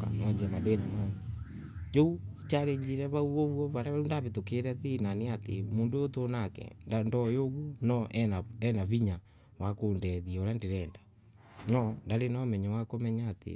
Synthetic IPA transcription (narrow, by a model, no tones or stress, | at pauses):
ka̰nɔd͡ʒɛmaðenama | d͡ʒout͡ʃaɾeɲd͡ʒiɾɛβauɔβwɔβaɾaβaundaβetokeɾɛðinaneatemoːndojotonakɛ̰ndandɔjoɣunɔʔɛaɛnaβiɲa | wakoːndɛðioɾjandeɾɛːnda | ɲɔndaɾenɔmɛɲɛwakomɛɲaːtḛ